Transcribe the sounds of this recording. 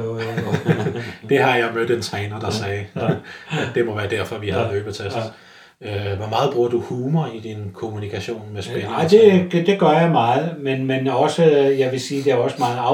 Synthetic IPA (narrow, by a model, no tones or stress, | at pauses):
d̥e̝ɦɑ̈jɑ̈ɪmød̥ˠent͡sʰʁɛɪnɐd̥ɑ̈sɛːɪ̥ | d̥e̝mɒ̽ʋæːɐd̥æɐ̰fɒ̽ʋihæð̩ˠøːb̥ɐt͡sʰæsd̥ | øʋɒmɑ̈ːð̞̩ˠb̥ʁuɐ̰d̥uhuːmɐid̥inkʰo̝munikʰæɕo̝̰ːnmesb̥enɪd̥e̝̥d̥e̝ɡ̥ɶɐjɑ̈ɪmɑ̈ːð̞̩ˠmenmenɒ̽səjɑ̈ɪʋe̝siːd̥e̝æɒ̽səmɑ̈ːð̩ˠɑ̈